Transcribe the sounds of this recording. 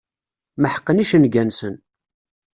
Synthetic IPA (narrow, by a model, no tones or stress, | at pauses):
məħə̥qːəniʃənɡænsən